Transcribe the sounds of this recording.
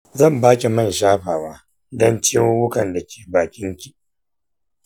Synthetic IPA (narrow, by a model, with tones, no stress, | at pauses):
zɐ˦˨mbaː˦kʲi˨mɐ˦˨nʃaː˦ɸaː˨waː˦ | dɔ˦nt͡ʃɪ˦ɪ˦wʊ˦kɐ˨nda˨kʲe̥ː˨baː˨kʲɪ˦ŋkʲiː˨